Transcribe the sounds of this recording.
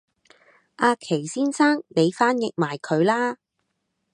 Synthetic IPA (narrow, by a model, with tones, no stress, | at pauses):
ʔaː˧kʰe˨˩jsiː˥nsaː˥ŋle˨˧jfaː˥njɪ˨k̚maː˨˩jkʰɵ˨˧ɥlaː˥